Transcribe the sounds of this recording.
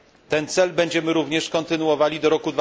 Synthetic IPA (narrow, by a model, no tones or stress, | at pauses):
t̪ɛnt̪sɛlbɛɲd͡ʑɛmɘɾuvɲɛʂkɔnt̪ɘnuɔvalʲid̪ɔɾɔkud̪v